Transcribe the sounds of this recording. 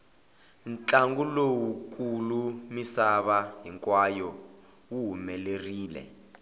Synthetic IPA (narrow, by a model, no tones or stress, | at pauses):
nt͡ɬʼaŋɡulowukulumisaβaɦiŋkwajɔ | wuɦumɛleriːlɛ̰